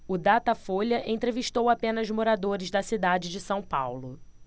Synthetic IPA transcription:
ʊd̪at̪ɐfoʎɐʔẽnt̪ɾeviʃt̪owapẽnɐzmoɾad̪oɾɪzd̪ɐsid̪ad͡ʒɪd͡ʒɪsɐ̃w̃pa̰wlʊ

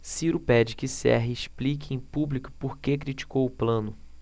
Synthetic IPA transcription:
siɾʊpɛd͡ʒɪkɪsɛ̰ɦɪːʃplik̬ɪẽj̃publikʊ̥poɾkek̬ɾit͡ʃi̥kowʊplɐ̃nʊ

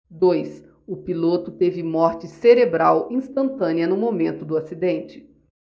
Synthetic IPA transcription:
d̪ojs | ʊpilot̪ʊt̪evɪmɔɾt͡ʃɪseɾebɾawĩst̪ɐ̃nt̪ɐ̃niɐnʊmomẽnt̪ʊd̪ʊasid̪ẽnt͡ʃɪ̥

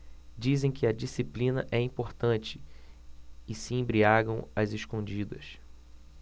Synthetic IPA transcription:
d͡ʒizẽj̃kʰɪɐd͡ʒisiplĩnɐʔɛĩpoɾt̪ɐ̃t͡ʃɪ̥ | ɪsiẽbɾiaɡɐ̃w̃ɐzɪʃkõd͡ʒid̪ɐ̰s

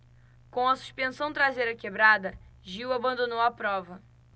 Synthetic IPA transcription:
kõw̃ɐsu̥ʃpẽsɐ̃w̃t̪ɾazejɾɐkebɾad̪ɐʒiwabɐ̃nd̪onowɐpɾɔvɐ

